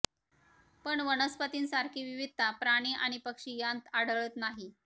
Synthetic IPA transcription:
pəɳʋənəspət̪iːnsaɾkʰiːʋiʋid̪ʱːapɾaɽ̃iʔa̰ɽ̃ipəkʂijant̪aɽəɭəːt̪naɦi

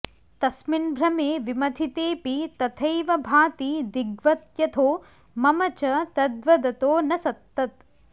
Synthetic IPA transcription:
t̪ɐsminbʱɾɐmeːʋimɐd̪ʰʱit̪eːpit̪ɐt̪ʰɐjʋɐbʱaːt̪id̪iɡʋɐt̪jɐt̪ʰoː | mɐmɐt͡ʃɐt̪ɐd̪ʋɐd̪ɐt̪oːnɐsɐt̪ːɐt̪

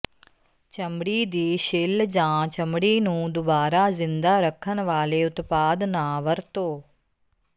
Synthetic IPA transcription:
t͡ʃəmɽiːd̪iːʃɪld͡ʒãːt͡ʃɐmɽiːnũːd̪ʊbaːɾaːzɪnd̪aːɾəkʰːənʋaːleːʊt̪paːd̪naːʋəɾt̪oː

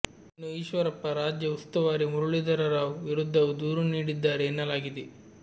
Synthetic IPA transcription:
inːuiːʃʋɐɾɐpːɐɾaːd͡ʒjɐust̪ɐʋaːɾimuɾuɭid̪ɐɾɐɾaːʋuʋiɾud̪ʱːɐʋud̪uːɾuniːɽid̪ːaːɾeːnːɐlaːɡid̪e

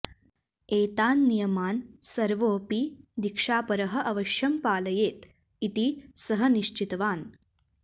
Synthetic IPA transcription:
eːt̪aːnːijɐmaːnsɐɾʋoːpiːd̪ikʂaːpɐɾɐɦɐ̆ʔɐʋɐʃjɐmpaːlɐjeːt̪ | it̪isɐɦəniʃt͡ʃit̪ʋaːn

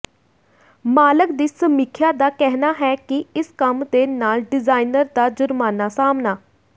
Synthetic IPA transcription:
maːləkd̪iːsəmikʰjaːd̪aːkɛɦnaːɦɛːkɪɪskəmd̪eːnaːlɖɪzaːinəɾd̪aːd͡ʒʊɾmaːnaːsaːmnaː

